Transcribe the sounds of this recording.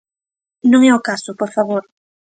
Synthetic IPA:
nõŋɛʊkasʊpoɾfaβoɾ

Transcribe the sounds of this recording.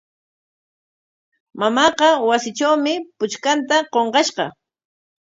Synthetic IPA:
mamɑːqɑwasɪt͡ʃawmɪpʊt͡ʃkant̪aqoɴqɑʃqɑ̰

